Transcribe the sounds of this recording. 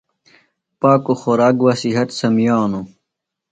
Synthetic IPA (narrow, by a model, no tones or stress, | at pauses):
paːkoxoɾaːkwasiɦɐt̪sɐmjaːnu